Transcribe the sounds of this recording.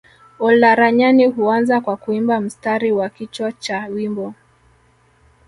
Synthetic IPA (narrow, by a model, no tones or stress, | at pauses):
ɔlaɾaɲaniɦuanzakwakuimbam̩staɾiwakit͡ʃwat͡ʃawimbɔ